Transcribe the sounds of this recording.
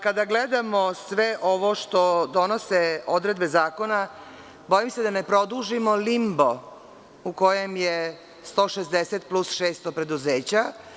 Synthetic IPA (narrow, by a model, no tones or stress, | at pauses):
kad̪aɡled̪amosʋeʔoʋo̞ʃt̪od̪o̞no̞seo̞d̪ɾe̞d̪be̞zaːko̞na | bo̞jimse̞d̪ane̞pɾo̞d̪uʒimo̞limbo̞ | uko̞jemje | st̪o̞ːʃezd̪eset̪̚plusʃeːst̪opɾe̞d̪uzeːt͡ɕa